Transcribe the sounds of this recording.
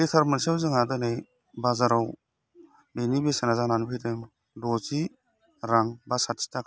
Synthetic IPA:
ditʰaɾmənsiawzɯŋadɯnaj | bazaɾaw | benibesenazananpʰijdɯm | dɔzi | ɾaŋbasatsi̥tak

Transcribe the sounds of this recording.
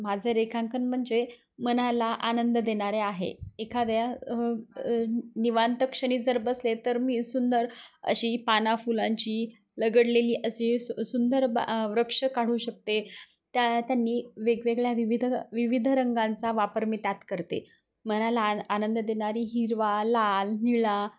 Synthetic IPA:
mad͡zʱeɾekʰãŋkənm̤əɳd͡ze | mənalaʔanənd̪əd̪eɳaɾeaɦḛekʰad̪ja | niʋant̪əkʂəɳ̃iːd͡zəɾbəslet̪əɾmiːsund̪əɾə̰ɕiːpanafulãɲt͡ɕiː | ləɡəɽleliːʔəɕisund̪əɾbʋɾəkʂəkaɽ̤uːɕək̚t̪et̪jat̪janːiːʋeɡʋeɡɭjaʋiʋid̪ʱəʋiʋid̪ʱɾəŋɡãnt͡saʋapəɾmit̪jat̪kəɾt̪ḛ | mənalaːnənd̪əd̪eɳaɾiːɦiɾʋalalniɭa

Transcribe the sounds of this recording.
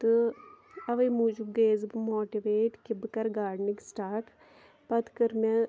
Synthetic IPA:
t̪ɨ | ɐʋɐjmud͡ʒubɡeːzɨbɨmoːʈiʋeːʈkibkɐɾɡaːɽniksʈaːɾʈ | pɐd̪kɐɾmɐ

